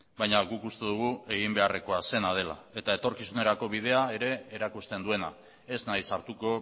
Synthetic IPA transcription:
bajɲaɣukust̪e̞ðuɣ̞ue̞ɣ̞imbe̞are̞ko̞ase̞nað̞e̞la̰e̞t̪aet̪o̞ɾkisune̞ɾako̞β̞ið̞e̞ae̞ɾe̞ːɾakust̪e̞nd̪ue̞na̰ | e̞znajsaɾt̪uko̞

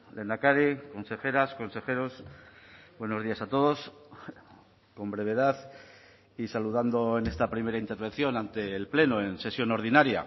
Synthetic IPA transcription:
le̞nakaɾiko̞nse̞xe̞ɾasko̞nse̞xe̞ɾo̞s | bwe̞no̞zðiasat̪o̞ð̞o̞s | ko̞mbɾe̞β̞e̞ðaθ | isaluðand̪o̞ene̞st̪apɾime̞ɾaint̪e̞ɾβ̞e̞n̟θjo̞nãnt̪e̞ːlple̞noense̞sjo̞no̞ɾðinaɾja̰

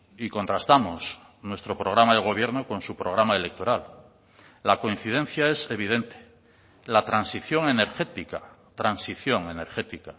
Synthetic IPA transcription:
iko̞nt̪ɾast̪amos | nwe̞st̪ɾo̞pɾo̞ɣɾamaðeɣ̞o̞β̞je̞ɾnokõ̞nsupɾo̞ɣɾamaele̞k̚t̪o̞ɾal | lako̞in̟θið̞e̞n̟θjae̞se̞β̞iðe̞nt̪e̥ | lat̪ɾansiθjo̞ŋe̞ne̞ɾxe̞t̪ikat̪ɾansiθjoŋe̞ne̞ɾxet̪ika

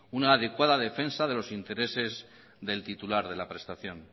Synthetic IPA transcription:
unaːðe̞kwaðaðe̞fe̞nsaðe̞lo̞sint̪e̞ɾe̞se̞z | ðe̞lt̪it̪ulaɾðe̞lapɾe̞st̪aθjo̞n

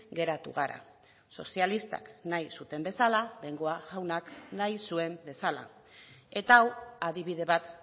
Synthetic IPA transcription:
ɡe̞ɾat̪ṵɣ̞aɾa̰ | so̞sialist̪a̰knajsut̪e̞mbe̞salaleŋɡo̞aɣawnaknajsue̞mbe̞sala̰e̞t̪aːwaðiβ̞iðe̞βat̪

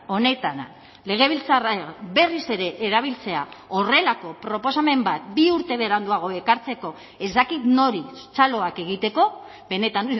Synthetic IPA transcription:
o̞ne̞t̪ana | le̞ɣ̞e̞β̞ilt͡sarabe̞rise̞ɾe̞ʔeːɾaβ̞ilt͡se̞ao̞re̞lako̞pɾo̞po̞same̞mbat̪biuɾt̪e̞βe̞ɾand̪uaɣ̞o̞e̞kaɾt͡se̞ko̞ | e̞zd̪akit̪no̞ɾit͡salo̞ake̞ɣ̞it̪e̞ko̞ | βe̞ne̞t̪an

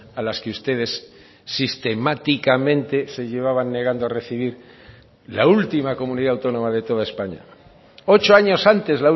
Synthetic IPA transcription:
alaskeust̪e̞ð̞e̞sː | ist̪e̞mat̪ikamẽ̞nt̪e̞se̞ʝe̞β̞aβanːeɣ̞and̪oare̞θiβ̞iɾ | la̰ult̪imako̞mũniðaːwt̪o̞nõ̞maðe̞t̪o̞ð̞ae̞spaɲa̰ | o̞t͡ʃoaɲo̞sant̪e̞zlau

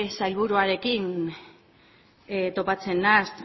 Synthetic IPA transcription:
sajlβuɾuaɾe̞kin | t̪o̞pat͡se̞nːast̪

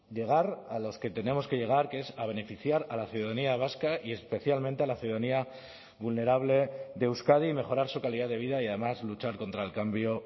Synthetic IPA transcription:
ʎe̞ɣ̞aɾalo̞ske̞t̪e̞ne̞mo̞ske̞ʝe̞ɣ̞aɾkee̞saβ̞e̞ne̞fiθjaɾalaθjuðaðaniaβ̞askaʔie̞spe̞θjalmẽnt̪e̞alaθjuðaðania | βulne̞ɾaβle̞ðe̞wskaðime̞χo̞ɾaɾsukaliðaðe̞β̞iðaiað̞e̞mazlut͡ʃaɾko̞nt̪ɾaelkambjo̞

